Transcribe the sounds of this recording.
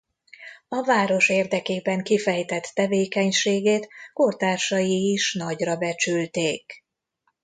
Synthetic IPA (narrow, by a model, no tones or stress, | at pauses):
ɒvaːɾo̞ʃeːrd̪ɛkeːbɛŋkifɛjt̪ɛt̪ːɛveːkɛɲʃeːɡeːt̪kort̪aːrʃɒjiːʃnɒɟrɒbɛt͡ʃylt̪eːk